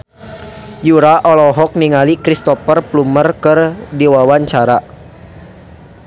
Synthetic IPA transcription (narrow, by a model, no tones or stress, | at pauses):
juɾaʔɔlɔɦɔk̚niŋalikɾist̪ɔfərplumərkɨrdiwawaɲt͡ʃaɾa